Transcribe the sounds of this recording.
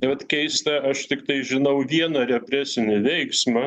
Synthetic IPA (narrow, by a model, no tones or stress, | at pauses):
ɪʋɐt̪kʲɛɪst̪ɐɐʃt̪ʲɪkt̪ɐɪʒʲɪnɐʊʋʲiɛnɐɾʲɛpʲɾʲæsʲɪnʲɪʋʲɛɪksmɐ